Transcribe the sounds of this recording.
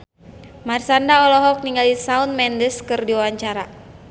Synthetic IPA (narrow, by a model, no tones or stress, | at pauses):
marsandaɔlɔɦɔk̚niŋɡalisaunmɛndəskɨrdiwawaɲt͡ʃaɾa